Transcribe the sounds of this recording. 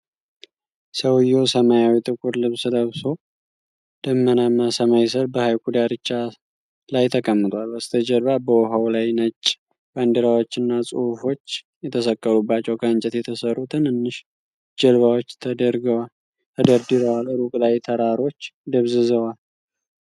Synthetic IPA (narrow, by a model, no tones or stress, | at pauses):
səwjːosəmajawit̪ʼɨkʷʼuɾlɨβsɨləβso̞ | d̪̥əmːənamːasəmajs̬əɾbəhajkʷʼud̪aɾɨt͡ʃːa | lajt̪ʰəkʼəmːɨt̪ʰʼwalbəst̪ʰəd͡ʒəlβabəwɔɦawlajnət͡ʃʼː | b̥and̪əɾawo̞t͡ʃːɨnːasʼuhufo̞t͡ʃː | jɛt̪ʰəsəkʼːəɾubːat͡ʃːɛwkʰəɨnt͡ʃʼɛt̪jɛt̪ʰəsərːut̪ʰɨnɨnːɨʃ | d͡ʒəlβawot͡ʃːt̪ʰəd̪əɾɡəwa | t̪ʰəd̪əɾd̪ɨɾəwaləɾukʼlajt̪ʰəɾaɾo̞t͡ʃːd̪əβzɨzəwal